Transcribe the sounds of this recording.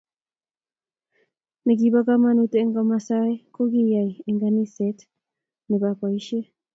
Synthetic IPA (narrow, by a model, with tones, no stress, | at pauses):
ne˨ɡiba˦ka˦ma˦nut̪ɛ˦ŋɡama˨sa˦e˦ko˦ɡi˦jaie˨ŋɡani˦sɛ˦t | nɛ˨ba˨ka˨i˦ʃe˦